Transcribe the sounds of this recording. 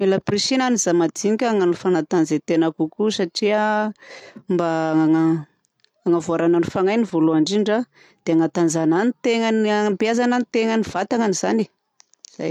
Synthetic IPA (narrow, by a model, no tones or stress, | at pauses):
melapriʃinanizamad͡z̪iŋikʲaŋanifanat̪anzet̪enakukusaʈ͡ʂia | mbaaŋa | aŋavoaɾananifaŋajnivoluaɳɖ͡ʐiɳɖ͡ʐa | d̪̥eaŋat̪and͡zananit̪eŋənapiazananit̪eŋəniv̥at̪aŋaniz̥ani̥ | z̥a̰j